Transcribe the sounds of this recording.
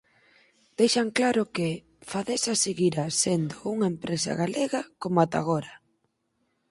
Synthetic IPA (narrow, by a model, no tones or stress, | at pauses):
d̪̥ejʃaŋklaɾʊkɪ | faðesaseɣiɾasend̪ʊuŋaempɾesa̰ɣaleɣɐkomoat̪a̰ɣ̞ɔɾɐ